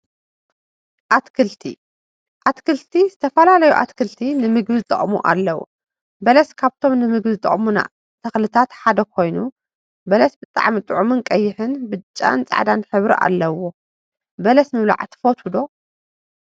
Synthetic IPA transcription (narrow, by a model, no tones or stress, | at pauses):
ʔat̪kʰɨlt̪ʰḭ | ʔat̪kʰɨlt̪ʰizɨt̪ʰɐfɐlalɐjuʔa̰t̪kʰɨlt̪ʰinɨmɨɡbɨzt̪ʼɐ̰χʼmuʔa̰lːɐwṵ | bɐlɐskʰaβt̪ʰo̞mnɨmɨɡbɨzt̪ʼɐ̰χʼmuna̰ | t̪ʰɐxlɨt̪ʰat̪ħad̪ɐkʰo̞jnu | bɐlɐsbɨt̪ʼa̰ʕmit̪ʼɨʕumɨnkʼɐjːɪħɨnbɨt͡ʃʼːa̰nt͡sʼa̰ʕd̪anħɨβɾḭʔa̰lːɐwo | bɐlɐsmɨβla̰ʕt̪ʰɨ̥fot̪ʰud̪o̞